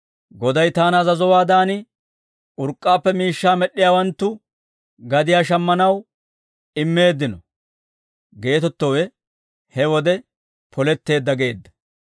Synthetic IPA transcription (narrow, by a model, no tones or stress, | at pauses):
ɡɔd̪ɐjt̪aːnɐzɐzɔwaːd̪aːnɪ | ʊɾkʼːaːpːɛmiːʃːaːmɛɗːɪjaːwɐnt̪ːʊ | ɡɐd̪ɪjaːʃ̬ɐmːɐnɐw | ɪmːe̞ːd̪ːɪnɔ | ɡe̞ːt̪ɔt̪ːɔwɛ | hɛwɔd̪ɛ | pʰɔlɛt̪ːe̞ːd̪ːɐɡe̞ːd̪ːɐ̥